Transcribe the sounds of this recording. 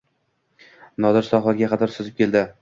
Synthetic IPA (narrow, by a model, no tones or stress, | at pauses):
nɒd̪ɪɾsɒχˠɒɾɡʲaqʰɑt̪ʰɒɾsozɪp̚kʲe̞ld̪ɪ